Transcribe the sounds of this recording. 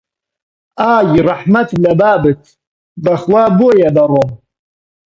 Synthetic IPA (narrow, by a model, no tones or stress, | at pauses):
aːjiraħmatʰlabaːbɨtʰ | daχlabuajadaɾom